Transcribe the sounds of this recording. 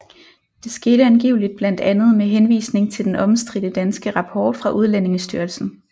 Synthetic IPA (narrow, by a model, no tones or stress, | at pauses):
d̥e̝sɡ̥e̝ːɾ̥əænɡ̥ḭʊlid̥̚b̥læn̰d̥ænð̞̩ˠmeɦenʋḭːsne̝ŋt͡sʰe̝ld̥enɒ̽msd̥ʁid̥əd̥ænsɡ̥əʁɑ̈pʰɒ̰ːd̥fʁɑ̈ʔuð̞ˠlæne̝ŋəsd̥yɐlsn̩